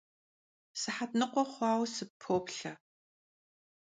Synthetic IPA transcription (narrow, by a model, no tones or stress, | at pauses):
sɨħatnɨqʷɔχʷɑːwsɨpʰoːpɬɐ